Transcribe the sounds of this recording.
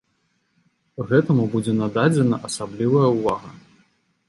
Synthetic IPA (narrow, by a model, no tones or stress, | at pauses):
ɣɛt̪ɐmubud͡zʲɛnad̪ad͡zʲɛnɐʔɐsablʲivɐjɐuvaɣɐ